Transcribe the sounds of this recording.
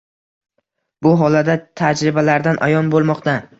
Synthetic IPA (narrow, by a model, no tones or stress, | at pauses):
bʊɦɒlad̪at̪ʰad͡ʒɾɪbalaɾd̪anʔa̰jɒnbolˠmɒqt̪a